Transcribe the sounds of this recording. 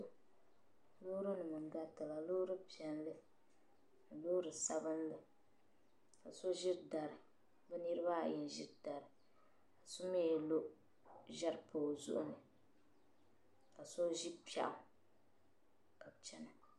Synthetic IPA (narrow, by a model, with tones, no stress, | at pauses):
lo˦ɾɨ˦nɨ˨mɨ˨n˨ɡa˦tɨ˨la˨lo˦ɾɨ˦pi˨ɛ˨nlɨ˦ | n̩˨lo˦ɾɨ˨sa˦bɨ˦n˦lɨ˦ | ka˨so˦ʒi˦ɾda˨ɾɨ˨ | bɛ˦nɨ˦ɾɨ˦ba˦˨jɛ˨n˨ʒi˦da˨ɾɨ˨ | ka˨so˦mɛ˦jɛ˨lo˦ | ʒɛ˦ɾpʰoː˨zʊ̰˦ʔʊ˦nɨ˨ | ka˨so˦ʒi˦pi˦a̰˦ʔʊ˨˦ | ka˨bt͡ʃɛ˨nɨ˨